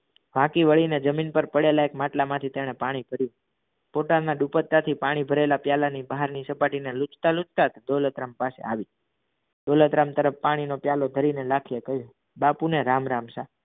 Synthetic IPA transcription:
ʋ̤ãkiʋəɭined͡ʒəminpəɾpəɽelaekmaʈlamãt̪ʰit̪eɽ̃epaɽ̃ibʱəɾjũ | poʈalnaɖupət̪ːat̪ʰipaɽ̃ibʱəɾelapjalanibaɦaɾnisəpaʈinelut͡ʃt̪alut͡ʃt̪at̪d̪olət̪ɾampasḛaʋi | d̪̥olət̪ɾamt̪əɾəfːaɽ̃inopjalod̪ʱəɾinelakʰijekəɦjũ | bapuneɾamɾamsa

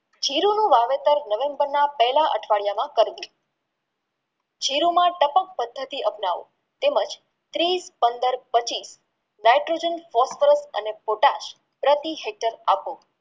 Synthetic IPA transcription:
d͡ʒʱiɾunũʋaʋet̪əɾnəʋẽmbəɾnapɛɦlaʔə̰ʈʰʋaɭjamãkəɾʋũ | d͡ʒʱiɾumãʈəpãk̚pəd̪ʱːət̪iʔəpnaʋõ̰ | t̪eməd͡ʒ | t̪ɾispənd̪əɾpət͡ʃis | najʈɾod͡ʒənfɔsfəɾəsə̰nepoʈaʃ | pɾət̪iɦek̚ʈəɾapo

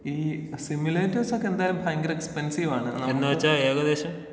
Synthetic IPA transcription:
iːsimjuleːtːɐrsokːe̞nd̪aːjɐlumbʱaːŋɡɐɾekspensiʋaːɳɨnɐenːaːʋɐt͡ɕːaeːɣɐd̪e̞ːɕɐm

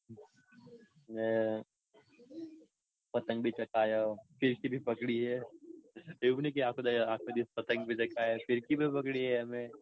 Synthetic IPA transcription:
mɛ̃ | pɐt̪ə̃ŋɡbʱit͡ʃɐkaːjaofɪɾkibʱipɐkɽiɦɛɛt͡ʃat̪ejubʱinɐkiaːp̚kod̪ajaaːk̚kod̪ipɐt̪ə̃ŋɡ̚bʱit͡ʃɐkaːafɪɾkibʱipɐkɽiɦɛɦɐmẽ

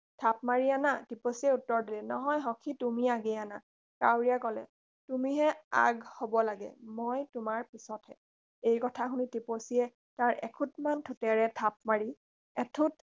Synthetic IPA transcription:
tʰap̚maɹianatiposiɛutːɔɹdilɛnɔɦɔjɦɔkʰitumiaɡɛana | kawɹijakɔlɛ̰ | tumiɦɛa̰ɡhobɔlaɡɛ̰mojtʊmaɹpisɔthɛ | ejkɔtʰaxunitiposiɛ | taɹʔɛ̰kʰutmantʰutɛɹɛtʰap̚maɹi | ɛtʰut

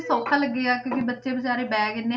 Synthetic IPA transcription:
soːkʰãːləɡːeːaːkjõːkibətːʃeːbəd͡ʒaːɾeːbɛːɡɪnːeː

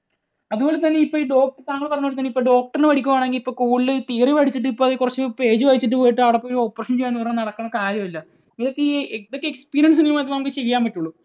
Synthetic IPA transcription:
ɐðubo̞ːlet̪ɐnːeipːoːiɖo̞ːk̚ʈɐrt̪aːŋːɐɭpɐrɐɲːuːɭːt̪ɐnːeipːoːɖo̞ːk̚ʈɐrnːɨʋɐɽikʲːumaːɳe̞ŋɡilipːo̞ːkuːɭːɨt̪iːriʋɐɽʰit͡ɕːiʈ̬ːɨipːoːɐðekurɐt͡ɕːɨpe̞ːd͡ʑɨʋɐjit͡ɕːiʈ̬ːɨpo̞ːjiʈːɨɐʋɽepːooɾuopːrɐʂɐnt͡ɕejːɐnːupɐrɐɲːɐnɐɽɐkːɐnːɐkaːɾjɐmilːɐ | iiðokːeeðokːekspiːɾijɐns̬nijmaːjt̪ɨaːpot͡ɕejjaːmpɐʈːuɭːu

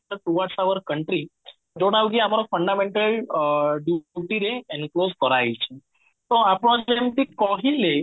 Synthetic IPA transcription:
at̪uʋaʈsaʋəɾkəɳʈɾi | d͡ʒoɽaʋɡiamaɾɔfəɳɖameɳʈəlɖjuʈiɾeɛ̃nklozkəɾait͡ɕʰe | t̪oapɽɔ̃d͡ʑlemt̪ikɔɦile

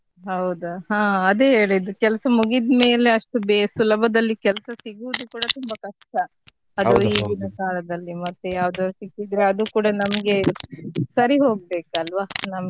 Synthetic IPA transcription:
ɦɐwd̪uhãːɐd̪eːɦeːɭid̪ukɛlɐsɐmuɡid̪me̞ːle̞ɐʂʈubesulɐbʱɐd̪ɐlːikɛlɐsɐsiɡuːd̪ukuːɽɐt̪umbɐkɐʂʈɐː | d̪uiːɡinɐkaːlɐd̪ɐlːimɐt̪ːujaːʋd̪oːsikːid̪ɾeɐd̪ukuːɽɐnɐmɐɡe̞ | sɐɾiɦo̞ːɡ̚be̞ːkɐlʋanɐmɐ

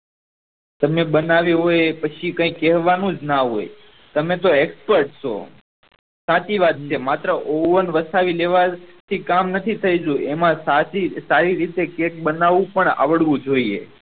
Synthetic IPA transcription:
t̪əmebənaʋjũɦojepət͡ʃʰikə̃ĩkɛɦʋanũd͡ʒnaɦo̰j | t̪əmẽt̪oekspəɾʈso̰ | sãt͡ʃiʋat̪̚t͡ʃʰemat̪ɾəʔoʋənʋəsaʋileʋat̪ʰikamnət̪ʰit̪ʰəjd͡ʒũʔemãsaisaɾiɾit̪ekek̚bənaʋũpəɳa̰ʋəɽʋũd͡ʒoiḛ

